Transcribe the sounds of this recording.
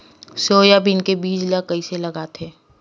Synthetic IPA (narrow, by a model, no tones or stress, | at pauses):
soːjabʱinkebiːd͡ʒlakəiselɐɡat̪ʰeː